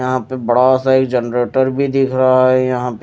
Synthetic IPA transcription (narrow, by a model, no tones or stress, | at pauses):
ɐɦãpebɐɽasaeːkd͡ʒɛnɾeːʈəɾbʱid̪ɪkʰɾaɦaɦɛjɐɦãp